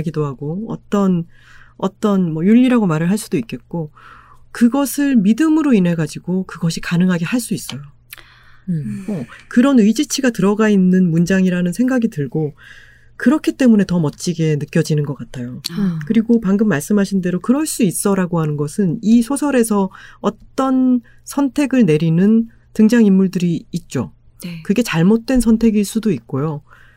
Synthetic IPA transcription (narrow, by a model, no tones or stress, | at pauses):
ɡidoɦaɡoʌ̰t͈ʌn | ʌ̰t͈ʌnmʌjuʎːiɾaɡomaɾɯɭɦaɭs͈udoik͈e̞t̚k͈okɯɡʌsʰɯɭmidɯmɯɾoine̞ɡad͡ʑiɡokɯɡʌɕʰikanɯŋɦaɡe̞haɭs͈uis͈ʌjo | mʌkɯɾʌnɯjd͡ʑit͡ɕʰiɡatɯɾʌɡainːɯnmund͡ʑaŋiɾanɯnsʰe̞ŋɡaɡitɯɭɡo | kɯɾʌkʰit͈e̞mune̞tʌmʌt͡ɕ͈iɡe̞nɯk͈jʌd͡ʑinɯnɡʌk͈atʰajokɯɾiɡopaŋɡɯmːaɭs͈ɯmɦaɕʰinde̞ɾokɯɾʌɭs͈uis͈ʌɾaɡoɦanɯnɡʌsʰɯnisʰosʰʌɾe̞sʰʌʌtt͈ʌn | sʰʌntʰe̞ɡɯɭne̞ɾinɯn | tɯŋd͡ʑaŋimːuɭdɯɾiːt̚t͡ɕ͈o̰ | kɯɡe̞t͡ɕaɭmot̚t͈we̞nsʰʌntʰe̞ɡiɭs͈udoik̚k͈ojo